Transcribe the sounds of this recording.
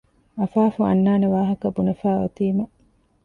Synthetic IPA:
ɐfaːfuɐ̰nːaːneʋaːɦɐkɐbunɐfaːɐ̰t̪iːmɐ

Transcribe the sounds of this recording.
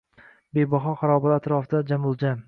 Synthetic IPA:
bejbɒχɒχaɾɒbaɾat̪ɾɒfd̪ad͡ʒamʊlˠd͡ʒa

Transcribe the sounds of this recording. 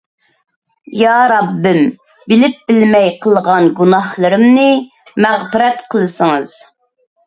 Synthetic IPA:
jɑːɾɑbːɪm | bɪlɪp̚bɪlmɛjqʰəlˠʁɑnɡunɑhlˠɨɾɨmnɨ | mɛʁpɨɾɛt̪qʰəlˠɨsəŋɨz̥

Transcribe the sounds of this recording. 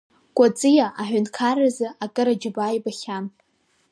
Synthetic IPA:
kʷʼat͡sʼɨjaʔaħʷʊnkʰarazɨakʼɨɾad͡ʒɪbajbaχʲan

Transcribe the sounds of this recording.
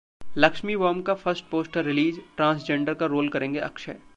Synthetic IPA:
lɐkʃmiʋɔːmkafʰɐɾsʈ̚poːsʈəɾːɪliːd͡ʒʈɾãːnsd͡ʒẽːɳɖəɾkaɾoːlkɐɾẽːŋɡeʔɐ̰kʃɛ̰

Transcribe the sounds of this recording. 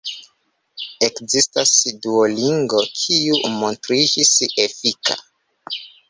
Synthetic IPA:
e̞kzistasduoliŋɡo̞kʰiumontɾid͡ʒisefika̰

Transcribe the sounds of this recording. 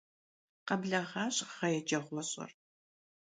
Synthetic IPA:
qɐbɮɐʁɑːɕʼʁɐjɛd͡ʒɐʁʷɔɕʼɐ̰r

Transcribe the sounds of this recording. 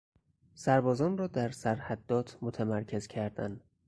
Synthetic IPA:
sæɾbɒːzɒːnrɒːd̪æɾsæɾhæd̪ːɒːt̪ʰmot̪ʰæmæɾcʰe̞zcʰæɾd̪æ̰n

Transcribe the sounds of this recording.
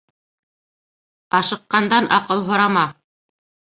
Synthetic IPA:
ɑʃɤ̆qːɑnd̪ɑnʔɑ̰qɤlˠɦŏɾɑmɑ

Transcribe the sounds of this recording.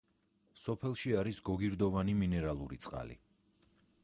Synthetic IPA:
sɔpʰɛlˠʃiaɾisɡɔɡiɾd̪ɔvaniminɛɾalˠuɾit̪sʼqʼa̰lḭ

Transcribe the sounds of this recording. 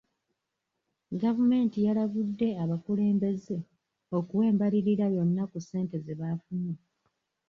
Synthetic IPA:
ɡavume̞ːntijalaβudːe̞aβakule̞ːmbe̞ze̞ | o̞kuwe̞ːmbaliɾiɾajo̞nːakuse̞ːnte̞zeβafune

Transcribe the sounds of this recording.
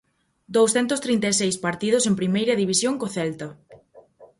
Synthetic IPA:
d̪owsθɛnt̪ʊst̪ɾint̪asejspaɾt̪iðʊsempɾimejɾɐðiβisjoŋkoθɛlt̪ɐ

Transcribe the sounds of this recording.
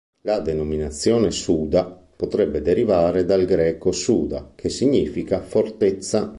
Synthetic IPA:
lad̪enominat̪sːjɔːnesuːd̪a | pot̪ɾɛbːed̪eɾivaːɾed̪alɡɾɛːkosuːd̪a̰kʰesːiɲːiːfikafort̪et̪sːa

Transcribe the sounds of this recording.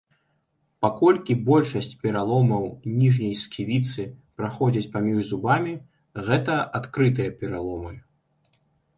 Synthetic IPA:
pakɔlʲkʲibɔlʲʂɐsʲt͡sʲpʲɛɾalˠɔmɐwnʲiʐnʲɐjskʲʰivʲit̪sɨpɾaxɔd͡zʲɐt͡sʲpamʲiʐzubamʲi | ɣɛt̪ɐʔat̪kɾɨt̪ɨjɐpʲɛɾalˠɔmɨ

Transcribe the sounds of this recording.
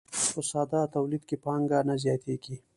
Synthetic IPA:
pəsɑd̪ɑt̪awlid̪kepɑŋɡanazjɑt̪eɡi

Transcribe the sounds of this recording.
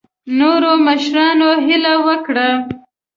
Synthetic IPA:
noɾoməʃɾɑnoɦɪlawəkɽa

